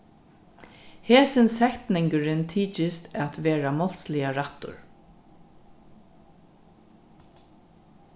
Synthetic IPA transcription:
heːsɪnsɛhkt̪nɪŋkəɾɪnt̪ʰiːt͡ʃɪst̪ʰæt̪ʋeːɹamɔl̥slɪjaɹaht̪ʊ̰ɹ

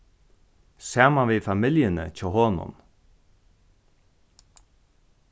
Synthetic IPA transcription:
saːmaʋɪːðfamɪljənə̰t͡ʃʰɔːɦɔːnʊ̰n

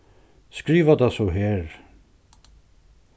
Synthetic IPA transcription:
skɾiːvat̪ʰasɔɦɛːɾ

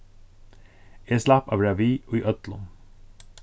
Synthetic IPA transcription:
eːslɑpɑ̰ːʋɾɑʋiːoːiːʔœt̪lʊn

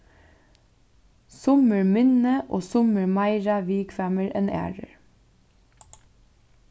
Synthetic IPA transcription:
sʊməɹmɪnəʔoːsʊməɹmɑɪɹɑʋiːkfæːməɹʔɛ̰næ̰ːɹəɹ

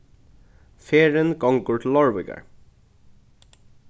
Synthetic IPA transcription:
feːɹənɡɔŋɡʊɹʈ̪l̩ɔɹʋɪ̰ɡə̰ɹ

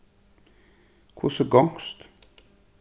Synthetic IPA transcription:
kʰʊsəɡɔŋst̪

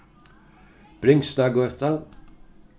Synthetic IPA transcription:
b̥ɾɪŋst̪ɑɡøt̪a

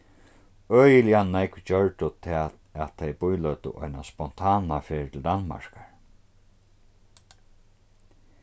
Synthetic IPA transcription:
œːjɪljannɛkt͡ɕœɹt̪ʊt̪ʰɛːt̪ | at̪ʰːɛjbʊjlœːt̪ʊ̰ʔɔ̰jnaspɔn̥t̪ʰaːnafeːɹt̪ʰɪld̪anma̰ɹkaɹ

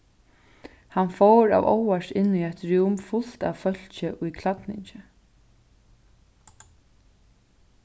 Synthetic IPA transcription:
hanfoːɾa̰ːʋo̰waʂɪnːujɛt̪ɹuwmfʊl̥t̪a̰fœl̥t͡ʃɪʔʊjkʰlat̪nɪ̰ɲt͡ʃɪ

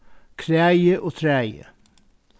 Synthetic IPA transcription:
kʰɾeæɪəʔoːt̪ʰɾeɛæɪə̰

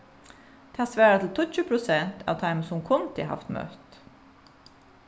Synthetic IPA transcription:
d̪̥ehɑːsʋæːɾɑt̪ʰl̩t̪ʰɔc͡çʉːpʰɾʊsɛnt̪ʰɑ̰ʋt̪ʰɑɪmsʊmkʰɔnt̪ʰɪ̰hɑ̰ft̪mœ̰t̪

